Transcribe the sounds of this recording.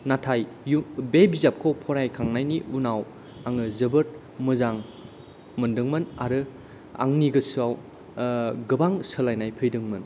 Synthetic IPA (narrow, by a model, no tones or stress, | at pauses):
natʰajubebizap̚kʰopʰɔɾajkʰaŋnajniunaw | aŋɯzɯbɯt̚ | mɯzaŋ | mɯndɯŋmɯna̰ɾɯ | a̰ŋniɡɯsɯaw | ɡɯbaŋsɯlajnajpʰɯjdɯŋmɯn